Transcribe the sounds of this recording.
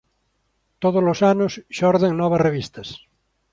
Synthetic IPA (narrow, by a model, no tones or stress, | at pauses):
t̪oðozlosanosʃɔɾðeŋnɔβɐsreβist̪ɐs